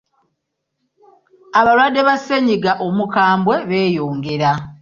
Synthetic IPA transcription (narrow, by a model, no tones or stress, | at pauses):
aβalwaːdːe̞βaseɲiɡaʔomukaːmbwe̞βe̞ːjoːŋɡe̞ɾa